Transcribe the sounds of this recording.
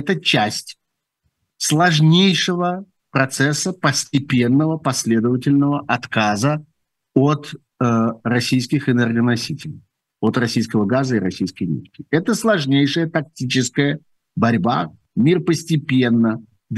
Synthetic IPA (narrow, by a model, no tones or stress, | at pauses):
ɛt̪ət͡ɕæsʲtʲ | slˠɐʐnʲejʂɨvə | pɾɐt̪sɛsːəpəsʲtʲɪpʲe̞nːəvəpɐsʲlʲed̪əvətʲɪlʲnəvəʔɐt̪kazə | ot̪ | rɐsʲijskʲɪxɨnɛrɡənɐsʲitʲɪlʲɪj | ot̪rɐsʲijskəvəɡazəɪɾɐsʲijskəjnʲḭfkʲɪɛt̪əslˠɐʐnʲejʂəjət̪ɐk̚tʲit͡ɕɪskəjə | bɐɾʲba | mʲirpəsʲtʲɪpʲe̞nːə | d̪